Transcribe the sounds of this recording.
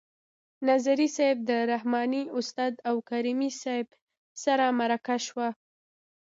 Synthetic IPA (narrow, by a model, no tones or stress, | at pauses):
nazaɾisab̚d̪əɾahmɑniʊst̪ɑd̪awkaɾimisajɪb | saɾamaɾakaʃwa